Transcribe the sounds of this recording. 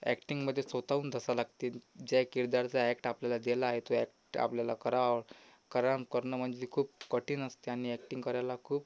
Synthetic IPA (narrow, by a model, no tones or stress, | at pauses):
ɛ̰kʈiŋɡməd̪ʱːjesʋət̪auːnd̪ʱəsalaɡt̪iːd͡ʑakiɾd̪aɾt͡saɛkʈapljalad̪elaːɦet̪oɛkʈa̰pljalakəɾaʋɭ | kəɾankəɾnəm̤əɳd͡zeikʰuːp̚kəʈʰiːnəst̪eaɽ̃iɛkʈiŋɡkəɾajlakʰuːp